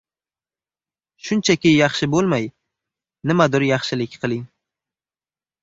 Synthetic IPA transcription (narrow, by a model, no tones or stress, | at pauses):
ʃʊnt͡ʃʰakʲɪjɑχʃɪbolˠmaj | nɪmad̪ʊɾjɑχʃɪlɪkʲqʰɨlˠɪŋ